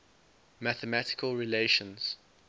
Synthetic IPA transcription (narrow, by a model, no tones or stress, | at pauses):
mæθəmætɪ̥kʰəlˠɹileɪʃə̃nz̥